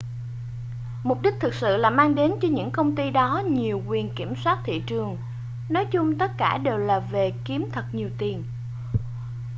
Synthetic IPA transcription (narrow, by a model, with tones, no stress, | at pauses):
mʊ˨˩k͡p̚ɗi˦˥k̚t̪ʰɨ˨˩k̚sɨ̰˧˨laː˨˩maː˧ŋɗe˨˦nt͡ɕɔ˧ɲɨ̰˧˥ŋkə˧wŋ͡mt̪i˧ɗɔ˨˦ɲi˨˩əwkwi˨˩ənki˧˩əmswaː˦˥t̚t̪ʰḭ˧˨t͡ɕɨ˨˩əŋ | nɔ˨˦jt͡ɕʊ˧ŋ͡mt̪ə˦˥t̚kaː˧˩ɗe˨˩wlaː˨˩ve˨˩ki˨˦əmt̪ʰə˨˩k̚ɲi˨˩əwt̪i˨˩ən